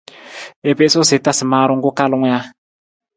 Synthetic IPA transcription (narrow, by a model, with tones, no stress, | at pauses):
e˨pe˦so˦se˨˦ta˦si˨ma˨ɾo˦ŋɡo˦ka˦lʊ˦ŋʷ˦ja˦